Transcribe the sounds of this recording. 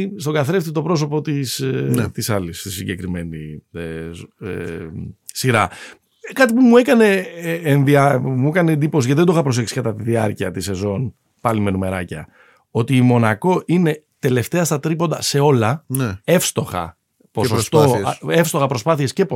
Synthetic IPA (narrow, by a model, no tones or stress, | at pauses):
ist̪o̞ɡɐθɾeft̪it̪o̞pɾo̞so̞po̞t̪ist̪isɐlist̪isiɲɟe̞kɾime̞nie | siɾɐ | kɐt̪ipumuekɐne̞ːnðiɐmuekɐneːnd̪ipo̞siɐt̪iðed̪oxɐpɾo̞se̞ksi̥kɐt̪ɐt̪iðiɐɾciɐt̪ise̞zo̞n | pɐlime̞nume̞ɾɐ̰cɐ̰ | o̞t̪iːmo̞nɐko̞ʔine̞ | t̪e̞le̞ft̪eɐst̪ɐt̪ɾipo̞nd̪ɐse̞o̞lɐne̞fst̪o̞xɐ̰ | posost̪oefst̪o̞xɐpɾo̞spɐθie̞sce̞p